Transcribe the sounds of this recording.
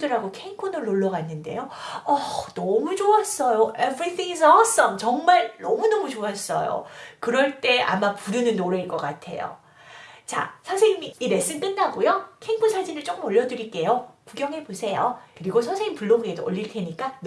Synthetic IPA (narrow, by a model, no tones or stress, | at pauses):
dɯɾɦaɡokʰeŋpʰonɯɭːoɭːʌɡanːɯnde̞̰jo | ʌnʌmut͡ɕoas͈ʌjoʔevɾitʰiŋis̬ʌs͈ʌmt͡ɕʌŋmaɭnʌmunʌmut͡ɕoas͈ʌ̰jo̰kɯɾʌɭt͈e̞a̰mapuɾɯnɯnːoɾeiɭk͈ʌk͈atʰe̞̰jo̰ | t͡ɕa̰sʰasʰeŋimiiɾe̞s͈ɯnk͈ɯnːaɡojokʰeiŋkpʰɯsʰad͡ʑinɯɭt͡ɕ͈ok͈ɯmʌʎːʌdɯɾik͈e̞jokuɡjʌŋɦe̞posʰe̞jokɯɾiɡosʰʌŋsʰeŋimpuɭːoɡedoʌʎːiɭtʰe̞ɲik͈am